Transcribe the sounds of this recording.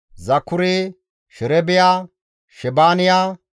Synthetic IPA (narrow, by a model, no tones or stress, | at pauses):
zɐkːʊɾeː | ʃɛɾɛbɪjaː | ʃɛbaːnɪjaː